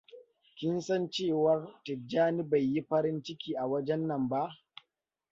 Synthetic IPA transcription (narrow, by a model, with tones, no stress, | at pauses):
kʲɪ˦nsɐ˦nt͡ʃeː˦˨wɐ˦rtɪ˨d͡ʒaː˦ni˦ba˨jːi˦ɸɐ˦ɾɪ˦nt͡ʃɪ˦kʲiː˨ʔa˨wɐ˦d͡ʒɛ˦nːɐ˨mba˦ʔ